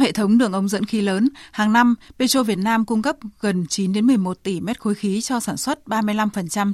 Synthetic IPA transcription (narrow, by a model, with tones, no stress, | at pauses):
hḛ˧˨t̪ʰə˨˦wŋ͡mɗɨ˧˩əŋʔə˨˦wŋ͡mzə̰˧˥nxi˨˦ləː˨˦nhaː˨˩ŋna˧mpe˧t͡ɕo˧vi˨˩ət̚naː˧mkʊ˧ŋ͡mkə˦˥p̚ɣə˨˩nt͡ɕi˨˦nɗe˨˦nmɨ˨˩əjmo˨˩t̚t̪i˧˩mɛ˦˥t̚xo˨˦jxi˨˦t͡ɕɔ˧saː˧˩nswə˦˥t̚ɓaː˧mɨ˧jla˧mfə˨˩nt͡ɕa˧m